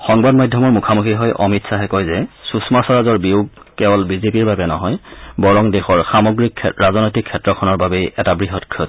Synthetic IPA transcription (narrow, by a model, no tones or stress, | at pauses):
xɔŋbadmajdʱjɔmɔɹmukʰamukiɦɔjʔɔmitsaɦɛkɔjzɛsusmasɔɹazɔɹbiwɡkɛbɔlbizepiɹbabɛnɔɦɔjbɔɹɔŋdɛxɔɹxamɔɡɹikʰɹazɔnɔjtikʰːɛtɹɔkʰɔnɔɹbabɛʔɛtabɹiɦɔtkʰɔt